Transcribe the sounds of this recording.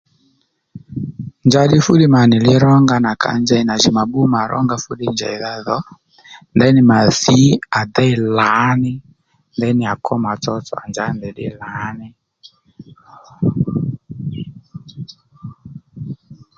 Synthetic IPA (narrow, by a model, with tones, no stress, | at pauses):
nd͡ʒa˦ɗi˦fu˦ɗi˦ma˨ni˨li˦ɾɔ˦ŋɡa˦na˨ka̰˨nd͡ʒɛ˦i˨na˨ʒi˨ma˨ɓu˦ma˨ɾʔɔ̰˦ŋɡa˦fu˦ɗi˦nd͡ʒa̰˨i˨ða˦ðɔ˨˦ | ndɛ˦ni˨ma˨ði˨˦a˨dɛ˦i˦la˨˦nɪ˦ | ndɛ˦ni˨a˨kʰɔ˦ma˨t͡sɔ˦t͡sɔ̰˨a̰˨nd͡ʒa˨˦ndɛ˨ɗḭ˦la˨˦ni˦